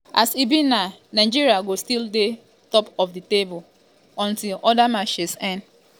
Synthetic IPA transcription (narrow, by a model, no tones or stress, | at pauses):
ʔasibĩnnanaɪd͡ʒiɹiaɡostilde | tɔpɔfditebʊl | ɔ̃ntilɔdamaʃisɛ̃n